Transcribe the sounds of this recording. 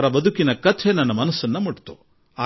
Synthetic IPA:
ɾɐbɐd̪ʱukinɐkɐt̪ʰenɐnːɐmɐnɐsːɐnːɐmuʈt̪u | aː

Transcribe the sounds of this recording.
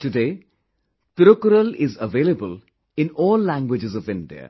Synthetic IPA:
ʈʊɖeː | t̪ɾokɾəlɪzəʋeːləbəl | ɪ̃nɔːlːæ̃ŋɡwɪd͡ʒɪzɔʋɪ̃nɖiə̰

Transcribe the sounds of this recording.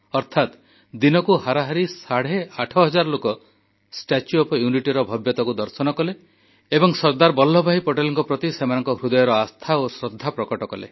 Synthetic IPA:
ɔɾt̪ʰat̪ | d̪inɔkuhaɾaɦaɾisaɽ̤eaʈʰɔɦɔd͡ʒaɾlokɔ | sʈat͡ʃuɔpɔjuniʈiɾɔbʱɔbjɔt̪ɔkud̪ɔɾsɔnɔkɔle | ebɔŋsɔɾd̪aɾbɔlːɔbʱaɦipoʈelɔŋkɔpɾɔt̪isemanɔŋkɔɦɾud̪ɔjɔɾɔast̪ʰaosɾɔd̪ʱːapɾɔkɔʈɔkɔlḛ

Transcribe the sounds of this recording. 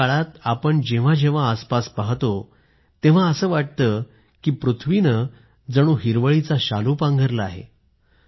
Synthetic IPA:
aɭat̪apəɳd͡ʑeʋ̤ad͡ʑẽʋ̤aːspaspaɦt̪o | t̪eʋ̤aəsəːʋaʈ̚t̪əː | kiːpɾut̪ʰʋinə | d͡zəɽ̃uːɦiɾʋəɭit͡saɕaluːpãŋɡʱəɾla̰ːɦḛ

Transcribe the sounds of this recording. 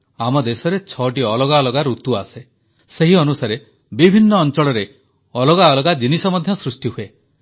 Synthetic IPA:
amɔd̪esɔɾet͡ʃʰɔʈiɔlɔɡaɔlɔɡaɾut̪uase | seɦiɔnusaɾe | bibʱinːɔːnt͡ʃɔɭɔɾe | ɔlɔɡaɔlɔɡad͡ʒinisɔmɔd̪ʱjɔsɾusʈiɦue

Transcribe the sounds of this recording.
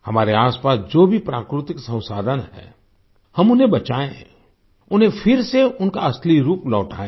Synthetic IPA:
hɐmaːɾeaːspaːsd͡ʒoːbʱipɾaːkɾɪt̪ɪksɐ̃ʊ̃saːd̪ʱənɦɛ̰ː | hɐmʊnɦẽbɐt͡ʃaːẽ | ʊnɦẽfʰɪɾseʊnkaɐsliɾuːplɔːʈʰa̰ːẽ

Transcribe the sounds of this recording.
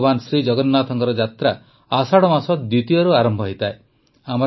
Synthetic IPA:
bansɾid͡ʒɔɡɔnːat̪ʰɔŋkɔɾɔd͡ʒat̪ɾa | asaɽɔmasɔtd̪ut̪ijɔɾuaɾɔmbʱɔɦit̪ʰae | amɔ

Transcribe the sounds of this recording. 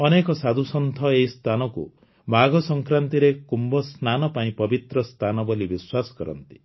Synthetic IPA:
ɔnekɔsad̪ʱusɔnt̪ʰɔeist̪ʰanɔkṵ | maɡɔsɔŋkɾant̪iɾekumbɔsnanɔpaĩpɔbit̪ɾɔst̪ʰanɔbɔlibiswasɔ̥kɔɾɔ̰nt̪i̥

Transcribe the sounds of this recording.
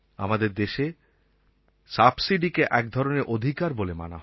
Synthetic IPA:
a̰mad̪eɾd̪eʃe | sabsiɖikeʔɛk̚d̪ʱɔɾoneɾʔod̪ʱikaɾbolema̰na̰ɦ

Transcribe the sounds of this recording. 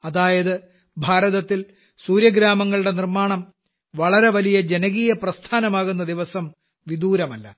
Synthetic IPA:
ɐðaːjɐðɨ | bʱaːɾɐðɐt̪ːil | suːɾjɐɡɾaːmɐŋːɐɭuɽe̞nirmaːɳɐm | ʋɐɭɐɾe̞ʋɐlijɐd͡ʑe̞nɐɣiːjɐprɐst̪ʰaːnɐmaːɣun̪ːɐd̪iʋɐsɐm | ʋid̪uːɾɐmɐlːɐ̰

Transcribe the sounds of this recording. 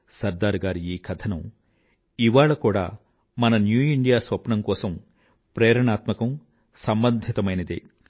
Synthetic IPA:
sɐɾd̪aːɾɡaːɾiiːkʰɐt̪ʰɐnɐm | iʋaːɭɐkuːɽa̰ː | mɐnɐnjuːiɳɖijaːsʋɐpɳɐmkɔːsɐm | pɾɛːɾɐɳaːt̪mɐkɐm | sɐmbɐnd̪ʱit̪ɐmɐjnɐd̪ḭ

